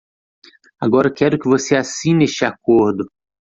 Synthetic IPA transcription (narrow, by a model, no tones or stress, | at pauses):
aɡɔɾɐkɛɾʊkɪvoseasĩnest͡ʃɪakoɾd̪ʊ